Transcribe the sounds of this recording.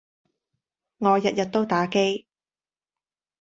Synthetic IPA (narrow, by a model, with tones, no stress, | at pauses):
ŋɔː˨˧jɐ˨t̚jɐ˨t̚t̪o˥wt̪aː˨˥ke˥j